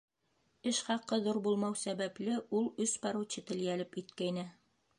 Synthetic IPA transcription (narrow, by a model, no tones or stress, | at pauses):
ɘʃχɑqːɤðuɾbulˠmɑwsæβæplɘulˠɵspɑɾuwt͡ɕɘt̪ɘ̆ljælɘpit̪̚kæjnɘ